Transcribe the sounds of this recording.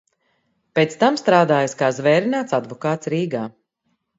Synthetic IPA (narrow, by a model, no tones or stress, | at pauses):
peːt̪st̪amst̪ɾaːd̪aːjaskaːzvɛːɾinaːt̪sad̪vɔkaːt̪sɾiːɡaː